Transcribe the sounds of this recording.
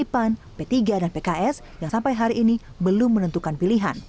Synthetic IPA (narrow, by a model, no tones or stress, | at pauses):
ipan | pet̪iɡadanpekaʔɛs | jaŋsampajɦaɾiʔiːni | bəlʊmːənənt̪ukanpiliɦan